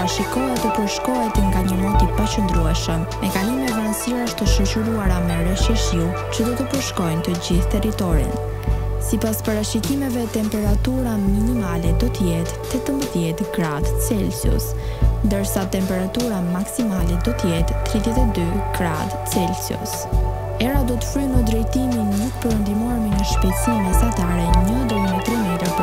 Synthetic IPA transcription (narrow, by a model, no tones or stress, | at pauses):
aʃikɔɛt̪əpəɾʃkɔɦɛt̪ŋɡaɲəmɔt̪ipat͡ʃənd̪ɾuɛʃəmːɛkanizmɛvansiɾaəʃt̪əʃət͡ʃuɾuaɾamɛɾəʃiʃju | t͡ɕəd̪ɔt̪əpəɾʃkɔjnt̪əd͡ʑiθt̪ɛɾit̪ɔɾḭn | sipaspaɾaʃikimɛvɛt̪ɛmpɛɾat̪uɾaminimalɛd̪ɔt̪əjɛt̪ː | ɛt̪əmbəðjɛt̪ɡɾad̪t͡sɛlsjṵs | nd̪əɾsat̪ɛmpɛɾat̪uɾamaksimalɛd̪ɔt̪əjɛt̪ːɾiðjɛt̪ɛd̪yɡ̥ɾa̰d̪t͡sɛlsiṵs | ɛɾad̪ɔt̪ə̥fɾynəd̪ɾɛjt̪iminluk̚pəɾənd̪imɔɾmɛɲəʃpɛt̪sinəsat̪aɾɛnənd̪ɾmət̪ɾimɛt̪əɾp